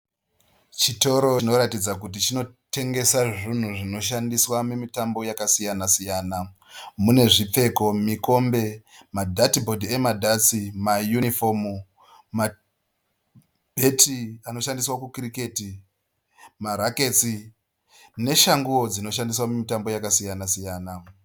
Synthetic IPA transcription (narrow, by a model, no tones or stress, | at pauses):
t͡ʃito̞ɾoino̞ɾatid͡zak̬ut̬it͡ʃino̞ | te̞ŋɡe̞saʐin̤uʐino̞ʃandiswamumitambo̞jakasijanasijaːna | mune̞ʐip͡fe̞ko̞miko̞mbe̞madʱatibʱo̞dʱiemadʱasimajunifomu | ma | bʱetiano̞ʃandiswakukrike̞ti | maɾake̞t͡si | ne̞ʃaŋɡuwo̞d͡zino̞ʃandis̬wamumitambo̞jakasijanasijaːna